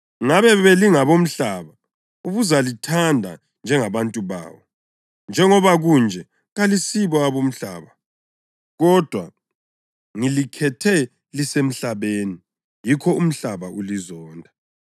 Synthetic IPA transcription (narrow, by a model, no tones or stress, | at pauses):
ŋaβɛβeliŋaβom̩ɬaːβa | uɣuzalitʰandʱa̰ | nd͡ʒʱɛŋaβantʼuβa̰ːβɔ | nd͡ʒʱɛŋɔβaɣund͡ʒʱɛ | ɣalisiβɔaβom̩ɬa̰ːβa | ɣɔd̥ʱwa̰ | ŋilikʰɛtʰɛ | lisem̩ɬaβeːni | jikʰɔum̩ɬaβaʔulizɔːndʱa